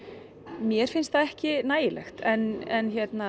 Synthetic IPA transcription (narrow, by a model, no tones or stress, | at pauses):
mjɛɾ̥fɪnst̪θaɛhcɪnaːjɪlɛ̰xt̪ɛnɛnçjɛt̪na